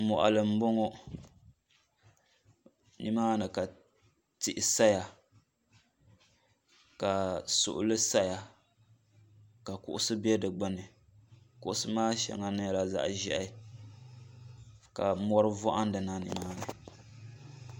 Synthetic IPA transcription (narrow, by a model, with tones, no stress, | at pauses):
mɔ˨ʔa̰˨lɨ˨m̩˦bo˦ŋo˦ | nḭ˦maː˦nɨ˨ka˨ | tɪ˦˨ʔɪ˨sa˦ja˨ | ka˨sʊ̰˨ʔʊ̰˨lɨ˦sa˦ja˨ | ka˨kʊ˦ʔʊ˦sɨ˦bɛ˦dɨ˨ɡ͡bɨ˦nɨ˨ | kʊ˦ʔʊ˦sɨ˦maː˦ʃɛ̰˨ŋa˦nɨ˦˨la˨za̰˨ʔʒɛ˦ʔa˦ | ka˨mɔ˦ɾɨ˦vɔ˦ʔa˦n˦dɨ˨na˦nḭ˦maː˦nɨ˨